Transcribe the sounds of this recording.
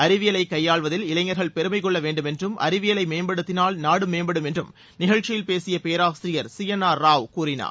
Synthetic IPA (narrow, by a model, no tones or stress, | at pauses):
ɐɾɪʋɪjɐlɐɪkːɐjːaːɭʋɐðɪlɪlɐɪŋːɐɾɣɐɭpɛɾɯmɐɪkːɔɭːɐʋeːɳɖɯmɛndrɯmʔɐ̰ɾɪʋɪjɐlɐɪmeːmbɐɽɯt̪ːɪnaːlnaːɽɯmeːmbɐɽɯmɛndrɯm | nɪɣɐɻt͡ʃːɪjɪlpeːsɪjɐpeːɾaːʋɐsɾɪjɐɾsɪjɐnaːɾaːʋkuːɾɪna̰ː